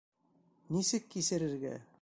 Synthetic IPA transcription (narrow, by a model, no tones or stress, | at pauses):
nisɘkːisɘ̆ɾɘ̆ɾɡæ̰